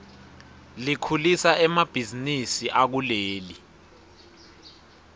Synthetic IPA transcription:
likʰulisaʔɛmab̥ʱizinisiʔak̬uleːli

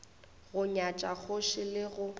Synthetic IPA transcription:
ɣʊɲat͡ʃʼak͡xʰʊʃɪlɪɣʊ

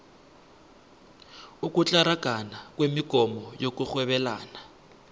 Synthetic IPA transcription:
ukʼut͡ɬʼaɾaɡ̥ʱanakwemiɡ̥ʱɔmɔjok̬ʼuxwɛɓɛlaːna

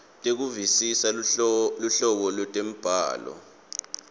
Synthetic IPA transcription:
tʼek̬uvisisaluɬɔɓɔlwɛtʼem̩b̥ʱa̰ːlɔ̰

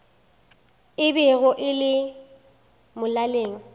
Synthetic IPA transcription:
ɪbɛɣʊʔɪlɪ | mʊlaleːŋ̩

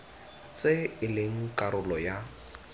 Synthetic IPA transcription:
t͡sʼɪɪlɪŋ̩kʼaɾʊlɔja

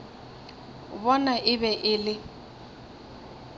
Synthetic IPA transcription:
bɔnaʔɪbɛʔɪlɪ

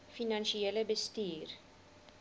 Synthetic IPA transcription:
finɐnʃieləbəstiːr

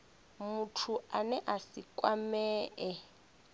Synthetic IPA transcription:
mutʰuanɛʔasikʼwamɛːɛ

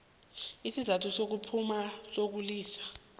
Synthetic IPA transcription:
isizatʰusok̬upʰumasok̬uliːsḁ

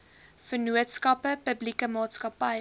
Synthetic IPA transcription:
fənuətskɐpəpəblikəmɑːtskɐpɐj

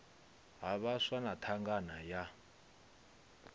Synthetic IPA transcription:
ɦaβaswanatʰaŋɡanaja

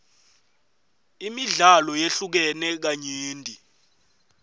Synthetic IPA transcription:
imiɮalɔjeɬuk̬ɛnɛk̬aɲeːndʱʼi

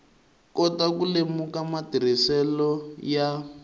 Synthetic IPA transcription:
kɔtakulemukamatiɾ̤isɛlɔja

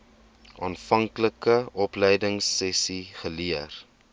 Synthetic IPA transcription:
ʔɑːnfɐŋkləkəɔpləjdəŋsːɛsiχəliər

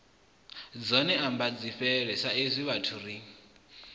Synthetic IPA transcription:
d͡zɔnɛambad͡ziɸɛɺɛsaezʷiβatʰuri

